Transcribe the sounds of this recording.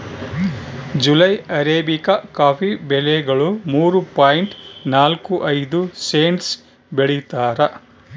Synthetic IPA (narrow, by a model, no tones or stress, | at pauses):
d͡ʒulɐjɐɾeːbikɐkaːpʰibɛlɛɡɐɭumuːɾupaːjiɳʈnaːlkuʔɐjd̪useːnʈs | beɭit̪aːɾɐ